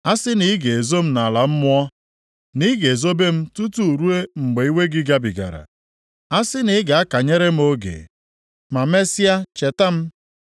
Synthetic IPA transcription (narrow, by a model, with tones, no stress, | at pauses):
a˦sɪ˦ni˦ɡe˨e˨zo˦m̩˦na˨la˨m̩˦mʊ˦ɔ˦ | ni˦ɡe˨zo˦be˦m̩˦tu˦tu˨u˨ɾu˦e˦ŋ͡m̩˨ɡ͡be˨i˦we˦ɡɪ˦ɡa˦bi˨ɡa̰˨ɾa̰˨ | a˦sɪ˦nɪ˦ɡa˨a˦ka˨ɲe˦ɾe˦m̩˦o˦ɡḛ˨ | ma˨me˦si˦a˦t͡ʃe˨ta˦m̩˦